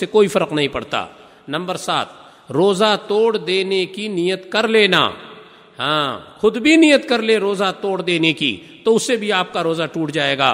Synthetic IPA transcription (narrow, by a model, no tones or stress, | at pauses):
sekoːifɐɾəqnɐɦĩpɐɽ̤t̪a̰ː | nɐ̃mbəɾsa̰ːt̪̚ | ɾoːzat̪oːɽd̪eːnekinijət̪kɐɾleːna̰ː | ɦã̰ːxʊd̪bʱinijət̪kɐɾleɾoːzat̪oːɽd̪eːnekḭt̪oʊsːebʱiaːp̚kaɾoːzaʈuːʈd͡ʒaːeːɡa̰ː